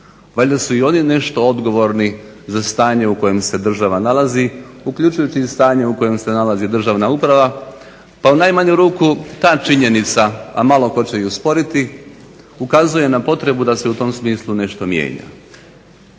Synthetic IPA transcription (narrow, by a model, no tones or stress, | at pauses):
ʋaʎʲd̪asuio̞nine̞ʃt̪o̞o̞d̪ɡo̞ʋo̞ɾni | zast̪aːɲe̞uko̞je̞mse̞d̪r̩ʒaʋanalaziukʎut͡ʃujut͡ɕist̪aːɲe̞uko̞je̞mse̞nalazid̪r̩ʒaːʋnaupɾaʋa | paunajmaɲuɾuːkut̪aːt͡ʃiɲe̞nit̪saamalˠo̞ko̞t͡ɕe̞iuspo̞ɾit̪i | ukazuje̞napo̞t̪ɾe̞bud̪ase̞ut̪o̞ːmsmiːslˠune̞ʃt̪o̞mjḛːɲa̰